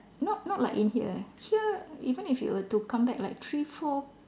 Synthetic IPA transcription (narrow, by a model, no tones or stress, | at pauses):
nɔt̚nɔt̚laɪkĩnhiə̰hiəivə̃nifjṵwətukʰãmbɛk̚laɪk̚tʰɹifɔ